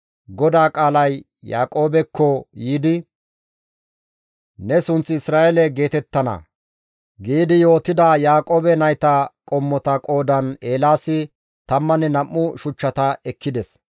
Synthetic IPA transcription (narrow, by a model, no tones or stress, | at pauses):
ɡɔd̪aːkʼaːlɐjː | a̰ːkʼo̞ːbɛkːɔjiːd̪ɪ | nɛsʊnt͡sːɪɪsɾaːʔelɛɡe̞ːt̪ɛt̪ːɐnɐ̰ | ɡiːd̪ɪjo̞ːt̪ɪd̪ajaːkʼo̞ːbɛnɐjt̪ɐkʼɔmːɔt̪ɐkʼo̞ːd̪ɐne̞ːlaːsɪ | t̪ɐmːɐnɛnɐmːʊʃʊt͡ʃːɐt̪ɐɛkːɪd̪ɛs